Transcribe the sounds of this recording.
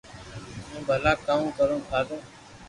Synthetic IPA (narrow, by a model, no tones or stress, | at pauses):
ɦũːbʱəlaːkaːmũːkəɾõːtʰaːd̪õː